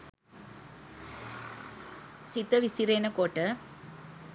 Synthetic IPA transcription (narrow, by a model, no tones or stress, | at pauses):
sit̪ːɐʋisiɾeːnɐkoːʈːɐ